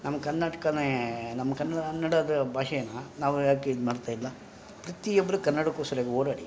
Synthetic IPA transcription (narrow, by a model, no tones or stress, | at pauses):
nɐmːɐkɐnːaːʈɐ̥kɐnenɐmːɐkɐnːɐɐnːɐɽɐd̪ɐbʱaːʂɛjɐnɐnaːʋujaːkemaːɽt̪aːjilːɐ | pɾɐt̪ijobːɐɾukɐɾnːɐɽɐkosɐɾɐɡeoːɽaːɽḭ